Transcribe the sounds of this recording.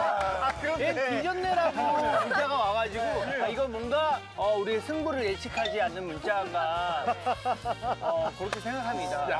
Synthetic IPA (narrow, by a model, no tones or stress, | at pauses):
eid͡ʑʌnːeɾaɡuɯnɯunt͡ɕ͈aɣawaɣad͡ʑiɡoaiɡʌmwʌnɡa | ʌuɾiesʰɯŋbuɾɯɭet͡ɕʰikʰad͡ʑianːɯnmunt͡ɕ͈aŋɡa | kɯɾʌkʰe̞sʰe̞ŋɡakʰamɲida